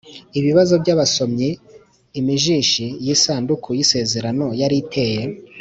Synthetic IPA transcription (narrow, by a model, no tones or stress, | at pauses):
iβiβazo̞bɟaβaso̞mɲe | imiʒiːʃijisaːndukʰujise̞ːze̞ɾano̞jaɾitʰe̞ːje̞